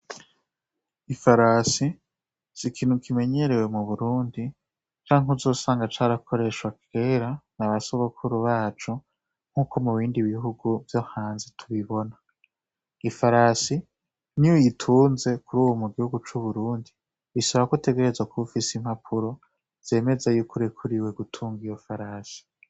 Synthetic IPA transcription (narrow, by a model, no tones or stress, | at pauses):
ifaɾasi | z̥ikʰiːn̥ukʰime̞ɲe̞ɾe̞we̞muβuɾuːndi | t͡ʃaːiŋuzo̞ːsaːŋɡat͡ʃaɾakʰo̞ɾe̞ʃwake̞ːɾanaβasoβokʰuɾuβaːt͡ʃu | ŋ̥huːko̞muβiːndiβiɦuɡuvjo̞haːnzetʰuβiβo̞na | ifaɾasi | nijojitʰuːnze̞kuɾuːwomuɡihuɡut͡ʃuβuɾuːndi | isaβaβakute̞ɡe̞ɾe̞zwakʰuufisim̥hapʰuɾo̞ | z̥e̞ːme̞zajukuɾekʰuɾiwe̞ɡutʰuːŋɡijofaɾaːsi̥